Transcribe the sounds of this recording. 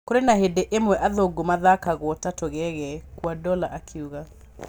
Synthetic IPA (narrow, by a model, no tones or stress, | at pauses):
koɾenahedeʔemwɛʔaðoɡomaðakaɣwɔtatoɣɛɣɛkwadɔlaʔakʰeuɣa